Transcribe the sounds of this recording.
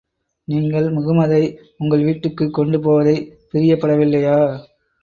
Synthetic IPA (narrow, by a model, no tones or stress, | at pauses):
niːŋɡɐɭmʊɣɯmɐðɐɪ | ʊŋɡɐɭʋiːʈːɯkːɯkːɔɳɖɯpoːʋɐðɐɪpɪɾɪjɐpːɐɽɐʋɪlːɐjaː